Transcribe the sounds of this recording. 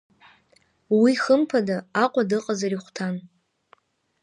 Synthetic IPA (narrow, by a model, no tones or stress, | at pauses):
wiχəmpʰadaaqʷʼadɨqʼazaɾiχʷtʰan